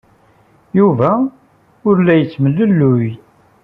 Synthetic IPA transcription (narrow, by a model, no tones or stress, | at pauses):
juvæ | ʊɾlæjət͡sːməlːəlːʊj